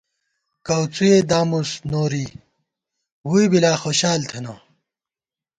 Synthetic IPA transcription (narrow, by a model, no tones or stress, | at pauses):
kɐwt͡sued̪aːmusnoːɾi | wujbilaːxoɕaːlt̪ʰɐno